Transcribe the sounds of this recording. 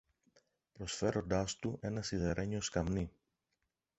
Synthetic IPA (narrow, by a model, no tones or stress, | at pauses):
pɾo̞sfe̞ɾo̞nd̪ɐst̪uʔe̞nɐsiðeɾʔe̞ɲio̞skɐmni